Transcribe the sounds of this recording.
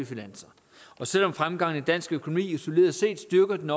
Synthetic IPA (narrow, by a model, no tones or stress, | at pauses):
ifinænsɐ | ɒ̽sel̰ɒ̽mfʁamɡ̥ɑ̈ŋ̰n̩ed̥æn̰sɡ̥økʰono̝mḭːiso̝le̝ːɐðˠse̝̰ːd̥sd̥yɐɡ̥ɐd̥enɒ